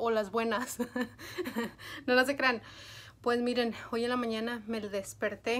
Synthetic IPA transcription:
olazbwenas | nolas̬ekɾan | pwesmiɾenojenlamaɲanameld̪espeɾt̪e

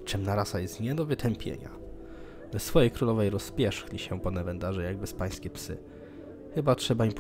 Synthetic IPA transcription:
t͡ʂɛmnaɾasajɛst̪ɲɛd̪ɔvɘt̪ʰɛmpʲjḛɲa̰ | vɛsfɔjejkɾulɔvɛjɾɔspʲjɛʂxlʲiɕɛpɔnɛvɛnd̪aʐɛjaɡ̚bɘspaj̃skʲɛpsɘ̰ | xɘbatʂɛbaimp

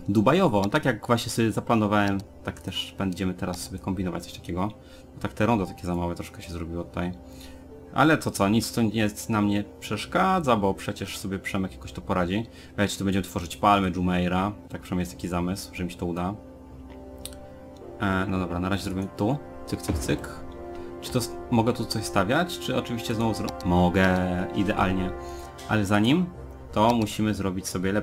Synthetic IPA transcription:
d̪ubajɔvɔt̪akjaɡvwaɕɲɛsɔbʲjɛzaplanɔvawɛmt̪akt̪ɛʂbɛɲd͡ʑɛmɘt̪ɛɾasːɔbʲɛkɔmbʲinɔvat͡ɕt̪sɔɕt̪ḁkʲɛɡɔ | bɔt̪ak̚t̪ɛɾɔnd̪at̪akʲɛzamawɛt̪ɾɔʂkɛɕɛzɾɔbʲiwɔt̪u̥t̪aj | ʔa̰lɛt̪ɔt̪sɔɲit̪st̪ɔɛt̪namɲɛpʂɛʂkad̪zabɔpʂɛt͡ɕɛʂsɔbʲjɛpʂɛmɛkjakɔɕt̪ɔpɔɾad͡ʑi | vad̪at͡ɕit̪ɔbɛɲd͡ʑɛmɘt̪fɔʐɘt͡ɕpalmɛd͡ʐumɛjɾat̪akpfʂamjɛst̪akʲizamɘswʐɛmʲiɕɛ̥t̪ɔud̪a | nɔd̪ɔbɾanaɾaʑɛzɾɔbiwɛmt̪u | t̪sɨkt̪sɨkt̪sɘk | t͡ʂɨ̥t̪ɔmɔɡɛt̪ut̪sɔɕst̪avʲjat͡ɕt͡ʂɘɔt͡ʂɘvʲiɕt͡ɕɛznɔvuzɔmɔɡɛid̪ɛʔa̰lɲɛ | ʔa̰lɛzaɲim | t̪ɔmuɕimɘzɾɔbʲit͡ɕsɔbʲjɛlɛp

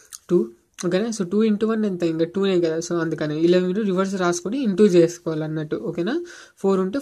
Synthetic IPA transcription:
ʈuː | okɐneːsoʈuːiɳʈuːʋɐnːent̪eiŋkaʈuːneːkɐd̪aːsoɐnd̪ukɐneːileʋɐmiluɾiʋɐɾs̬ɾaːsu̥koniːɳʈuːd͡ʒeːsu̥kɔːʋaːlɐnːɐʈːuokeːnaː | pʰoːɾuɳʈeː

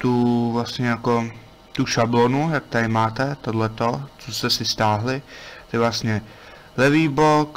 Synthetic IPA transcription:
t̪uvlasɲɛjako̞ | t̪uʃablonujak̚t̪aɾɪmaːt̪ɛt̪odlɛt̪o̞t͡sost̪ɛsɪst̪aːɦlɪt̪ɛvlast̪ɲɛ | lɛviːbok

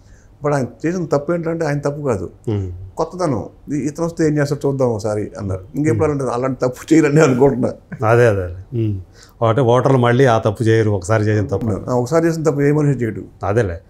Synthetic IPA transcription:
bɐʈaːjnɐt͡ʃeːsind̪t̪ɐpːueːɳʈlɐɳʈeaːjɐnɐt̪ɐpːukaːd̪ṵkɔt̪ːɐt̪ɐnṵiːt̪ɐnɐst̪ueːɲt͡ʃeːsɐt͡ʃuːd̪ːaːmɔkːɐsaːɾiɐ̰nːa̰ːɽuiŋkeːpuɽaːlaːɳʈɐ̰laːɳʈit̪ɐpːu̥t͡ʃeːjilɐnːiːɐnukɔːɳʈunːa̰ɐd̪eːɐd̪ele | okːɐʈeɔːʈɐɾlumɐɭːiaːt̪ɐpːut͡ʃɛːjaɾuɔkːɐ̥saːɾit͡ʃeːsind̪ɐt̪ɐpːa̰ːɔkɐsaːɾit͡ʃeːs̬int̪ɐpːueːmɐnuut͡ʃeːjʈṵɐd̪eleː

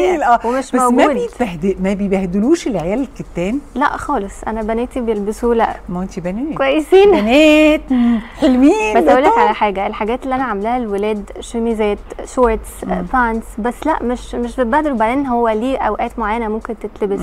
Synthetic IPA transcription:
lʔæːwemeʃbmæɡmæːbeebæhd̪emæbejbæhd̪luːʃelʕejæːlelket̪ːæːnlæ̰ʔxɑːlesˤʔæ̰næbænæːt̪ibejelbesulæʔmæent̪ibænæːkwæjːesiːnænæt̪ħelwiːbæt̪æwlːækʕalæħaːɡæelħaɡæːt̪elːiʔænæʕamelæhælwelæːd̪ʃemizæːt̪ʃoɾt̪spænt̪sbæsːlæ̰ʔmeʃmeʃbebæhd̪elubaʕd̪eːnːhowːæliːʔæwʔæːt̪moʕajːænæmomkent̪et̪lebes

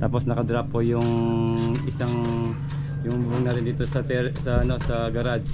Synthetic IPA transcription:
t̪aːpo̞snɐkɐd̪ɾapːojʊŋ | ʔɪsaŋ | jʊŋbʊŋnaɾɪnd̪iːt̪osɐt̪ɛsɐʔɐno̞sɐɡɐɾad͡ʒ

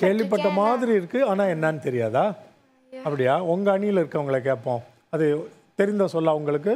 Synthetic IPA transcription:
keːɭʋɪp̬ːɐʈːɐmaːðɪɾiɪɾɯkːɯaːnaːɛnːaːnɯt̪ɛɾɪjaːðaː | ɐpːɐɽɪjaːɔŋɡɐːɳɪjɪlɪɾɯkːɐʋɐŋɡɐɭɐk̬ːeːʈpːõː | ɐðɯ | t̪ɛɾɪnd̪ɐ̃sɔlːaːʊŋɡɐɭɯk̬ːɯ

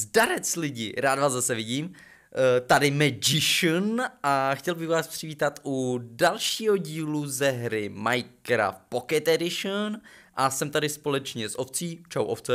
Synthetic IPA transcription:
zdaɾɛt͡slɪɟɪ̰ɾaːd̪vaːzzasɛvɪɟiːm | t̪adɪmɛd͡ʒɪʃənʔaxcɛlbɪxvaːspr̥ɪviːt̪at̪ʔudalʃiːɦo̞ɟiːluzɛɦɾɪmajkɾa̰fpokɛt̪ɛdɪʃən | ʔasɛmt̪adɪspo̞lɛt͡ʃɲɛsʔoft͡siːt͡ʃawʔoft͡sɛ

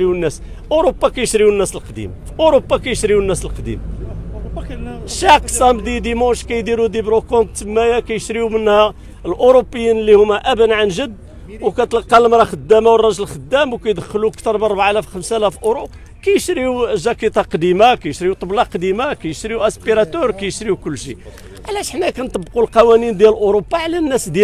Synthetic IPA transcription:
ɾiwnːæs | ʔoɾobːɑkæjəʃɾiwənːæsəlqd̪ḭmfʔoɾopːɑkæjəʃɾiwənːæsəlqd̪ḭm | ʃɑksæmd̪id̪imɑ̃ʃkæjd̪iɾud̪ibɾukõnt̪ːəmːæjækæjəʃɾiumənːhæ | əlʔoɾopːəjːinəlːihʊmːæʔæbənʕanʒəd̪ | wkæt̪əlqːɑləmɾˤɑxəd̪ːæmawərˤːɑʒlxəd̪ːæmwkæjd̪əxːlukt̪əɾˤmənɾˤbaʕlæfxəmsælæfʔoɾu | kæjəʃɾiuʒækit̪ɑqɑd̪imakæjəʃɾiut̪ˤɑblɑqd̪imakæjəʃɾiuʔæspiɾɑt̪əɾwkæjəʃɾiukʊlːʃḭ | ʕlæʃħnækænt̪əbqulqɑwænind̪jælʔoɾobːaʕlænːæsd̪æ

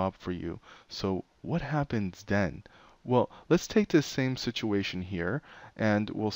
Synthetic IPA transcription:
ɑb̥fə˞jʉ̰soʊ | wʌt̚hæpɨ̃nzðɨ̃n | wɛlˠlɨtstʰeɪk̚ðɨsẽɪ̃msɪt͡ʃueɪʃɨ̃nɦiɹʔɨ̃nwḭlˠ

